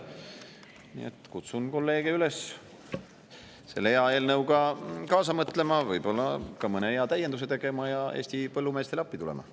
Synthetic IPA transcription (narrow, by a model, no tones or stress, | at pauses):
nḭḛt̪kut̪sunko̞lːe̞ːɡ̥eyle̞s | se̞lːeeɑe̞ːlnɤwɡɑkɑːsɑmɤt̪ːˑle̞mɑvɤjbo̞lːɑkɑmɤneeɑt̪æjed̪us̬e̞t̪e̞ɡ̥e̞mɑjɑe̞ːsʲt̪ipɤlːumeːst̪e̞lɑpːit̪ulḛmɑ̰